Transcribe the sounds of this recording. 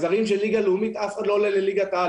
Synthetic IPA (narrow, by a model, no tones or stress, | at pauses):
zaʁimʃelːiɡalumit̪afχad̪lo̞leleliɡat̪a